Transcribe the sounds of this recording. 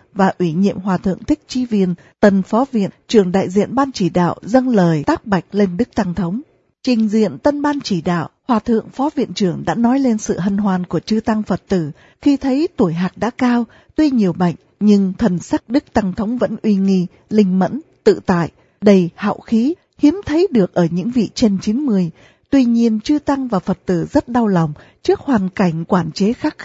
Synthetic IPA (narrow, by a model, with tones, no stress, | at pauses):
vaː˨˩ʔwi˧˩ɲḭ˧˨əmɦwaː˨˩t̪ʰɨ̰˧˨əŋt̪ʰï˦˥k̟̚t͡ɕi˨˦vi˧ən | t̪ə˧˩nfɔ˨˦vḭ˧˨ət͡ɕɨ˧˩əŋɗa̰ː˧˨jzḭ˧˨ənɓaː˧nt͡ɕi˧˩ɗa̰ː˧˨wzə˧ŋləː˨˩jt̪aː˦˥k̚ɓa˨˩jk̟̚le˧nɗɨ˦˥k̚t̪a˧ŋt̪ʰə˨˦wŋ͡m | t͡ɕï˨˩ŋ̟zḭ˧˨ənt̪ə˧nɓaː˧nt͡ɕi˧˩ɗa̰ː˧˨wʔhwaː˨˩t̪ʰɨ̰˧˨əŋfɔ˨˦vḭ˧˨ənt͡ɕɨ˧˩əŋɗa̰ː˧˥nɔ˨˦jle˧nsɨ̰˧˨ɦə˧nɦwaː˨˩nku˧˩ət͡ɕɨ˧t̪a˧ŋfə˨˩t̚t̪ɨ˧˩ | xi˧t̪ʰə˨˦jt̪u˧˩əjɦaː˨˩k̚ɗa̰ː˧˥kaː˧w | t̪wi˧ɲi˨˩əwɓa̰˧˨jŋ̟ɲɨ˧ŋt̪ʰə˨˩nsa˦˥k̚ɗɨ˦˥k̚t̪a˧ŋt̪ʰə˨˦wŋ͡mvə̰˧˥nʔwi˧ŋi˧ | lï˧ŋ̟mə̰˧˥nt̪ɨ̰˧˨t̪a̰ː˧˨jʔ | ɗə˧jha̰ː˧˨wxi˨˦ | hi˨˦əmt̪ʰə˨˦jɗɨ˨˩ək̚ʔəː˧˩ɲɨ̰˧˥ŋvḭ˧˨t͡ɕe˧nt͡ɕi˨˦nmɨ˨˩əj | t̪wi˧ɲi˧ənt͡ɕɨ˧t̪a˧ŋvaː˨˩fə˨˩t̚t̪ɨ˧˩zə˦˥t̚ɗa˧wla˨˩wŋ͡mt͡ɕɨ˦˥ək̚hwaː˨˩nka˧˩jŋ̟kwaː˧˩nt͡ɕe˨˦xaː˦˥k̚